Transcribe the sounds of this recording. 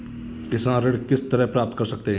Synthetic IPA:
ɪsɦãːɾɪɽkɪst̪ɐɾəɦpɾaːp̚t̪̚kɐɾsɐk̚t̪eɦɛ̃

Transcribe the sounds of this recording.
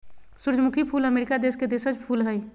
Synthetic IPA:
suɾd͡ʒmukʰipʰuːləmeːɾikad̪eːsked̪esəd͡ʒpʰuːlɦəj

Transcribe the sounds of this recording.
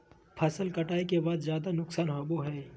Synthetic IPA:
pʰɐsəlkɐʈaːikebaːd̪zjaːd̪anʊksaːnɦoːboɦɛː

